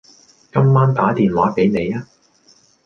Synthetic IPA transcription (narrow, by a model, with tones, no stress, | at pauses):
kɐ˥mːaː˥nt̪aː˨˥t̪iː˨nwaː˨˥pe˨˥jne˨˧jaː˥